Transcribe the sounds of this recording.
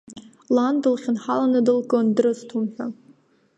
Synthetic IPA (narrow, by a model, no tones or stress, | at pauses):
landɨlχʲɪnħalanɨdɨlkʼondɨɾɨztʰumħʷᶣa